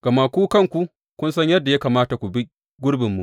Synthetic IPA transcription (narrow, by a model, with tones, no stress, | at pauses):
ɡ̥ɐ˨ma˦kʷuː˦kɐ˦ŋkʷu˨ | kʷʊ˦nsɐ˦ɲjɐ˦dːa˨ja˦kaː˨maː˦ta˨kʷu˨bi˦ | ɡʷʊ˦ɽbɪ˨mːṵ˨ʔ